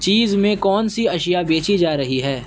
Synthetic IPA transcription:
t͡ʃiːzmẽkɔːnsiɐʃijabeːt͡ʃid͡ʒaːɾɐɦiɦɛː

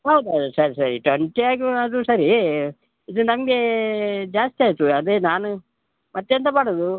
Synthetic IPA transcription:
ɦɐwd̪uɐd̪usɐɾisɐɾiʈʋɐɳʈiaːɡiɐd̪usɐɾi | id̪unɐmɐɡe̞d͡ʒaːst̪iaːjt̪ːuɐd̪enaːnu | mɐt̪ːjent̪ɐmaːɽɐd̪u

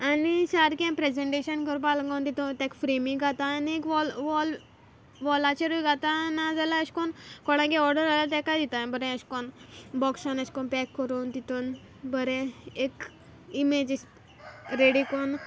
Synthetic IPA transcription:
anisaɾkɛ̃pɾed͡zeɳʈeɕənkəɾpaləŋɡaunt̪it̪ot̪ɛ̃kfɾemĩɡʱat̪aːniekʋɔlʋɔl | ʋɔlat͡ɕeɾujɡʱat̪anad͡zalaəɕkɔnkɔɽ̃ãkɛɔɾɖəɾalat̪ɛ̃kajd̪it̪abəɾɛ̃əɕkɔnbɔksanəɕkɔnpɛkːəɾuːnt̪it̪on | bəɾɛ̃ek | imed͡ʑisʈ | ɾeɽikɔn

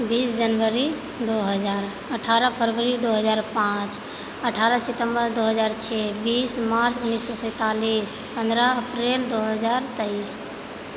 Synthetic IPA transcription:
biːsd͡ʒənʋəɾi | d̪oɦəd͡ʒaːɾ | əʈʰaɾəpʰəɾʋəɾid̪oɦəd͡ʒaːɾpãt͡ʃ | əʈʰaɾəsɪt̪ə̃mbəɾd̪oɦəd͡ʒaːɾt͡ʃʰɛbiːsmaɾt͡ʃʊnːisːɔsɛ̃ːt̪alis | pə̃nd̪ɾaəpɾeld̪oɦəd͡ʒaːɾt̪əis

